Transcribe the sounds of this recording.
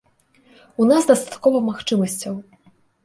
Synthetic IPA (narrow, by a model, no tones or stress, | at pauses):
unazd̪ɐst̪ḁt̪̚kɔvɐmaxt͡ʂɨmɐsʲt͡sʲɐw